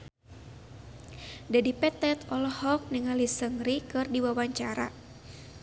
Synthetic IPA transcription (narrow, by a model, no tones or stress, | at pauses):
dadipɛt̪ɛt̪ɔlɔhɔk̚niŋalisəŋɾikɨrdiwawaɲt͡ʃaɾa̰